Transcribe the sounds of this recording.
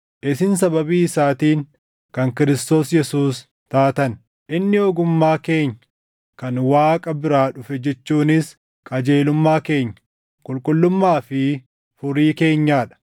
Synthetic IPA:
ʔɪsɪnsɐbɐbiːɪsaːt̪iːŋ | kɐŋkɪɾɪst̪o̞ːsjɛsuːs | t̪aːt̪ɐn | ʔɪnːɪɔɡʊmːaːke̞ːɲː | kɐnwaːkʼɐbɪɾaːᶑʊfɛd͡ʒɛt͡ʃːuːnɪs | kʼɐd͡ʒe̞ːlʊmːaːke̞ːɲːɐ̥ | kʼʊlkʼʊlːʊmːaːfɪ | fʊɾiːke̞ːɲːaːᶑɐ̥

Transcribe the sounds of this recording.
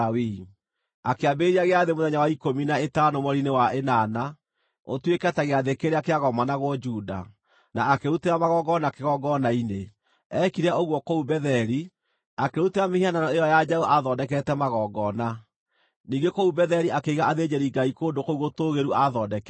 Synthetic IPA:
wi | akeabeɾiaɣeaðemoðɛɲawaikominaetanomɔɾinewaʔenana | o̰twekɛtaɣeaðekeɾeakeaɣɔmanaɣwɔd͡ʒuːda̰ | naːkeɾuteɾamaɣɔɡɔnakeɣɔɡɔnaine | ɛkiɾɛoɣwɔkoubɛðɛɾi | akeɾuteɾamehiananɔejɔjad͡ʒauʔaðɔdɛkɛtɛmaɣɔɡɔna | niːɡekoubɛðɛɾiʔakeiɣaaðed͡ʑeɾiɡaikoːndokouɣotoːɣeɾuaðɔdɛkɛ

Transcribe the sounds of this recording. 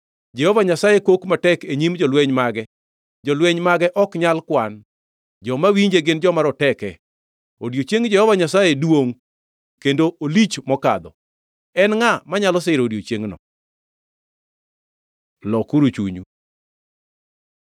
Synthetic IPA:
d͡ʒɛhɔvaɲasajekokmatɛkeɲimd͡ʒɔlweɲmaɡɛ | d͡ʒɔlweɲmaɡɛʔɔkɲalkwan | d͡ʒɔmawiɲd͡ʒeɡɪnd͡ʒɔmaɾɔtɛkɛ | odjot͡ʃeŋd͡ʒɛhɔvaɲasajedwoŋ | kendoolit͡ʃmɔka̰d̪ɔ | ɛnŋamaɲalɔsɪɾodjot͡ʃeŋnɔ̰ | lɔkuɾut͡ʃṵɲṵ

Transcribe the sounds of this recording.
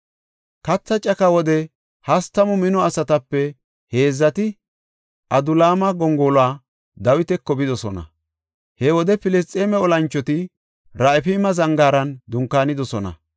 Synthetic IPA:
kɐt͡sːɐt͡ʃʼɐkɐwɔd̪ɛ | hɐst̪ːɐmʊmɪnɔɐsɐt̪ɐpːɛ | he̞ːzːɐt̪ɪ | ʔɐd̪ʊlaːmɐɡɔŋɡoːlwaː | d̪ɐwɪt̪ɛkːɔbɪd̪ɔsɔnɐ̰ | hɛwɔd̪ɛpɪlɛst̪ʼːeːmɛɔlɐnt͡ʃːɔt̪ɪ | ɾaɪfimɐzɐŋɡaːɾɐnd̪ʊŋkːaːnɪd̪ɔsɔnɐ̰

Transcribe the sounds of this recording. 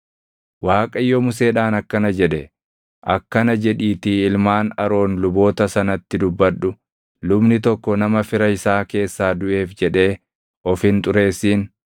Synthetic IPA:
waːkʼɐɪjːɔmʊs̬e̞ːᶑaːnɐkːɐnɐd͡ʒɛᶑɛ | ʔɐkːɐnɐd͡ʒɛᶑiːt̪ɪɪlmaːnɐɾo̞ːnlʊbo̞ːt̪ɐsɐnɐt̪ːɪd̪ʊbːɐᶑʊ | lʊbnɪt̪ɔkːɔnɐmɐfɪɾɐɪsaːke̞ːsːaːd̪ʊʔe̞ːfd͡ʒɛᶑe̞ː | ʔɔfhɪnt̪ʼʊɾe̞ːsːiːn

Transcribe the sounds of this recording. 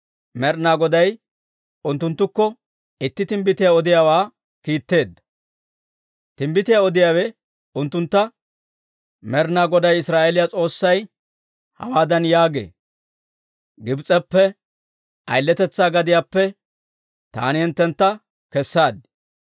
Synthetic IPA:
mɛɾnaːɡɔd̪ɐj | ʔʊnt̪ːʊnt̪ːʊkːɔ | ɪt̪ːɪt̪ɪmbɪt̪ɪjaːɔd̪ɪjaːwaː | kiːt̪ːe̞ːd̪ːɐ̥ | t̪ɪmbɪt̪ɪjaɔd̪ɪjaːwɛ | ʊnt̪ːʊnt̪ːɐ | mɛɾnaːɡɔd̪ɐjɪsɾaːʔelɪjat͡sʼo̞ːsːɐj | hɐ̰waːd̪ɐnjaːɡḛː | ɡɪbt͡sʼɛpːɛ | ʔɐ̰jlːɛt̪ɛt͡sːaːɡɐd̪ɪjaːpːɛ | t̪a̰ːnɪhɪnt̪ːɛnt̪ːɐ | kɛsːaːd̪ɪ̥

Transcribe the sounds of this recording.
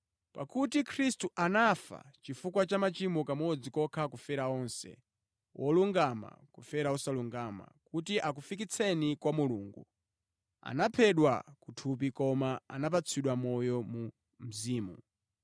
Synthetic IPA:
pa̰kutikʰɾistuʔanafa̰t͡ʃifukwat͡ʃamat͡ʃimɔkamɔd͡zikɔkʰakufɛɾaɔnsɛ̰ | wʔɔluŋɡama̰kufɛɾausaluŋɡama̰kutiʔak̬ufik̬it͡sʰɛnikwamuluːŋɡu | a̰napʰɛɗwakutʰup̬ikɔmaa̰nap̬at͡sʰiɗwamɔjɔmu | m̩ziːmu

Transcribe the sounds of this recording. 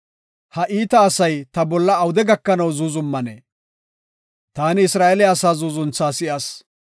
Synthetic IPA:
hɐʔiːt̪ɐːsɐjt̪ɐbɔlːɐːwʊd̪ɛɡɐkːɐnɐwzuːzʊmːɐnḛː | t̪aːnɪɪsɾaːʔɛlɪaːsaːzuːzʊnt͡sːaːsɪʔaːs

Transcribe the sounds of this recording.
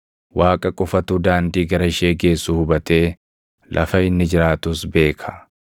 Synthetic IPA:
waːkʼɐkʼɔfɐt̪uːd̪aːnd̪iːɡɐɾɐɪʃe̞ːɡe̞ːsːuːhʊbɐt̪e̞ː | lʔɐ̰fɐɪnːɪd͡ʒɪɾaːt̪usbe̞ːkʰɐ̥

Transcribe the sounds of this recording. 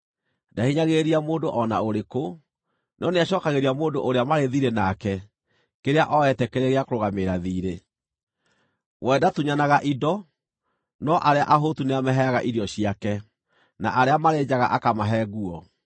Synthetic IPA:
dahiɲaɣeɾiamoːndoʔɔna̰oɾeko | nɔneaɕɔːkaɣeɾiamoːndo̰ʔoɾeamaɾeðiɾenakɛ | keɾeaʔɔɛtɛkeɾeɣeakoɾoɣameɾaðiːɾe | wɛdatuɲanaɣaʔidɔ | nɔʔaɾea̰ʔaɦotuneamɛɦɛaɣaʔiɾjɔɕiakɛ | naʔaɾeamaɾed͡ʑaɣa̰ʔakamaɦɛɣuɔ

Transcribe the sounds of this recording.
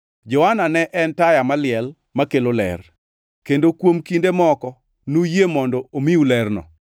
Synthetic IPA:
d͡ʒɔwananɛʔɛntajamalɪɛl | makelolɛ̰r | kendokwomkindemɔkɔ | nujemɔndɔomiulɛrnɔ̰

